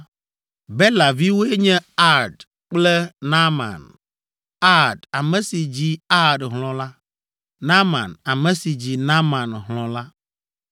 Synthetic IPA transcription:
bɛ˦la˨vi˦wo˦e˦ɲɛ̃˦a˦ɾɖ | k͡plɛ˦nã˦mã̰˨n | a˦ɖa˨mɛ̃˨si˨d͡ʑi˦a˦ɖɦlɔ̃˨la˦ | nã˦mã̰˨na˨mɛ̃˨si˨d͡ʑi˨nã˦mã˨nɦlɔ̃˨la˦

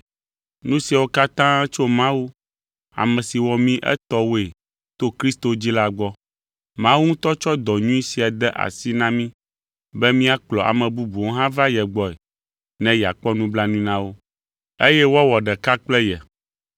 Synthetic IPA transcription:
nũ˦si˨a˨wo˦ka˦t̪ã˦ɛ˦t͡ʃo˦mã˦wu˦ | a̰˨mɛ̃˨si˨wɔ˨mĩ˦ʔɛ̰˦t̪ɔ˦wo˦e˨ | t̪o˦kɾi˦st̪o˨d͡ʑi˦la˦ɡ͡bɔ˦ | mã˦wu˦ŋũ˦t̪ɔ˦t͡ʃɔ˦d̪ɔ˨ɲũ˦i˦si˨a˨d̪ɛ˦ʔa̰˨si˦nã˦mĩ˦ | bɛ˦mĩ˦a˦k͡plɔ˨ʔa̰˨mɛ̃˨bu˦bu˨wo˦ɦã˦va˦jɛ˨ɡ͡bɔ˨ɛ˨ | nɛ̃˦ja̰˨k͡pɔ˦nũ˦bla˦nũ˦nã˦wo˦ | e˦jɛ˦wɔ˦wɔ˨ɖɛ˨ka˦k͡plɛ˦jɛ˨

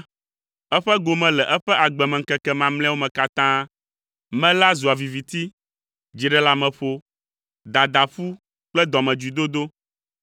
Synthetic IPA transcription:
ɛ˦ɸɛ˦ɡo˨mɛ̃˨lɛ˨ʔɛ˦ɸɛ˦ʔa˨ɡ͡bɛ˨mɛ̃˨ŋ̩˦kɛ˦kɛ˦mã˨ml̃ɛ̃˦wo˦mɛ̃˨ka˦t̪ã˦ | mɛ̃˦la˦zu˨a˨vi˨vi˨t̪i˦ | d͡ʑi˨ɖɛ˦la˦mɛ̃˨ɸo˦ | d̪a˨d̪a˨ɸu˦ | k͡plɛ˦d̪ɔ˨mɛ̃˨d͡ʒu˨d̪o˦d̪o˦

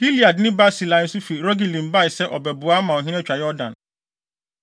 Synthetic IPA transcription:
ɡ̥i˦li˨a˨dnɪ̃˦ba˦si˨lã˨˦n̩˦sʊ˦fi˨ɾɔ˦ɡi˨lĩ˨nba˦˨ɪ˨sɛ˦ʔɔ˨bɛ˨bʊ˨a˦mã˨ɔ˨ɦɪ̃˦nɛ̃˦t͡ɕᶣa˨jɔ˦dã̰˨n

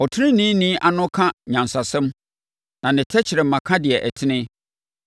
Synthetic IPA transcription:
ɔ˨tʰɪ˦nɪ̃˦nĩ˦nĩː˦ʔa˨nʊ̃˦kʰã˦ɲã˨nsa˨sɛ̃˦m | nã˨nɪ̃˨tʰɛ˦t͡ɕʰɪ˨ɾɛ˨m̩˨mã˨kʰã˦dɪ˨ɛ˨ʔɛ˨tʰɪ˦nɪ̃˦

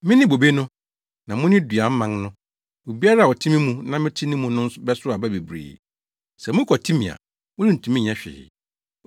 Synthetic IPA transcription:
mɪ̃˦nɪ̃˦bo˨be˦nʊ̃˦ | nã˨mʊ̃˦nɪ̃˦dɥa˨m̩˦mã˨˦ŋnʊ̃˦ | o˨bi˦a˦ɾa˦a˨wɔ˨tʰĩ˦mĩ˦mũ˦nã˦mɪ̃˦tʰɪ˦nɪ̃˦mũ˨nʊ̃˦n̩˦sʊ˦bɛ˦sʊ˦a˨bæ˦be˨bɾḭː˨ | sɛ˨mʊ̃˦kʰɔ˨tʰi˦mĩ˨a̰˨ | mʊ̃˦nɪ˦n̩˨tʰũ˨mĩ˦˨ɲɛ̃˦ɕᶣɪ̰˨ɪ̰˨

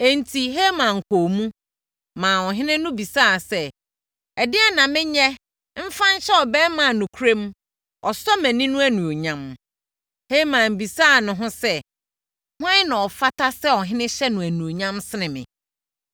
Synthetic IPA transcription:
e˨n˨tʰi˨ɦe˦mã˨ŋ̩˨kʰo˨mũ˦ | mãː˨ɔ˨ɦɪ̃˦nɪ̃˦nʊ̃˦bi˨saː˦˨sɛ˦˨ | dɪ˦ɛ˦nã˨mɪ̃˦ɲɛ˦ | m̩˦fã˦n˦ɕɛ˦ɔ˨bɛ˦mã˨nũ˨kʰu˦ɾẽ˦m | ɔ˨sɔ˦mæ̃˨nĩ˦nũ˦æ˦nũ˨o˨ɲã˦m | he˦mã˨m˨bi˨saː˦˨nʊ̃˨ɦʊ̃˦sɛ˦ | hʊ̃˦ã˦nã˨ɔ˨fa˦tʰa˦sɛ˦ɔ˨ɦɪ̃˦nɪ̃˦ɕɛ˦nʊ̃˨æ˨nũ˨o˨ɲã˦msɪ˦nɪ̃˨mɪ̰̃˨

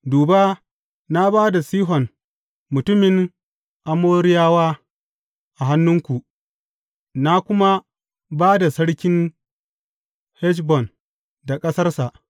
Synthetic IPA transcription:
duː˨ba˦ | na˦baː˦da˨siː˦ɦɔ˨n | mʊ˨tʊ˦mɪ˨ŋ | ʔa˨moː˦ɾɪ˦jaː˦waː˦ | ʔa˨ɦa˦nːʊ˦ŋkʷu˨ʔ | na˦kʷʊ˦ma˦ | baː˦da˨sɐ˦ɽkʲɪ˦n | hɛ˦ʃbɔ˨n | da˨kʼɐ˦sɐ˦rsa˨ʔ

